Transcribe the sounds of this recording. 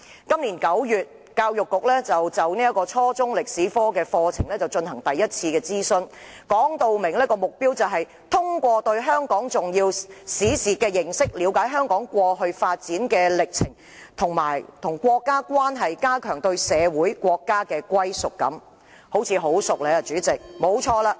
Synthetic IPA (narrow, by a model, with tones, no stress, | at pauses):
kɐ˥mliː˨˩nkɐ˨˥wjyː˨t̚ | kaː˧wjʊ˨kːʊ˨k̚lɛː˥t͡sɐ˨wt͡sɐ˨wni˥ɐ˥kːɔː˧t͡sʰɔː˥t͡sʊ˥ŋlɪ˨k̚siː˨˥fɔː˥kɛː˧fɔː˧t͡sʰɪ˨˩ŋlɛː˥t͡sɐ˨wt͡ʃɵ˧nɦɐ˨˩ŋt̪ɐ˨jːɐ˥t̚t͡sʰiː˧kɛː˧t͡siː˥sɵ˧n | kɔː˨˥ŋt̪o˨˧wmɪ˨˩ŋlɛ˥kɔː˧mʊ˨k̚piː˥wt͡sɐ˨wɦɐ˨j | t̪ʰʊ˥ŋkʷɔː˧t̪ɵ˧ɥɦœː˥ŋkɔː˨˥ŋt͡sʊ˨ŋjiː˧wsiː˨˥siː˨˩kɛː˧jɪ˨˩ŋsɪ˥k̚liː˨˧˥wkaː˨˥jɦœː˥ŋkɔː˨˥ŋkʷɔː˧ɦɵ˧ɥfaː˧t̚t͡siː˨˥nkɛː˧lɪ˨k̚t͡sʰɪ˨˩ŋ | t̪ʰʊ˨˩ŋmaː˨˩jt̪ʰʊ˨˩ŋkʷɔː˧kːaː˥kʷwaː˥nɦɐ˨jkaː˥kʰœː˨˩ŋt̪ɵ˧ɥsɛː˨˧wuː˨˥jkʷɔː˧kːaː˥kɛː˧kʷɐ˥jsʊ˨kːɐ̰˨˥m | ho˨˥wt͡sʰiː˨˧ɦo˨˥wsʊ˨k̚lɛ˨˥ɐ˨t͡ʃyː˨˥t͡sɪ˨k̚mo˨˧˥wt͡ʃʰɔː˧laː˧